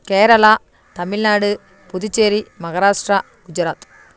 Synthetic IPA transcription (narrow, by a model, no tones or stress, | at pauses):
keːɾɐɭa | t̪ɐmɪlnaːɽɯ | puðut͡ʃːeːɾimɐɣɐɾaːʂʈɾaː | kʊd͡ʒɐɾaːt̪